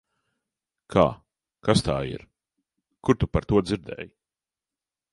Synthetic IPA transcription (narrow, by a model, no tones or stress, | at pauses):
kʰaː | kast̪aːḭɾ | kuɾt̪upaɾt̪uɔd̪ziɾd̪ɛ̰ːj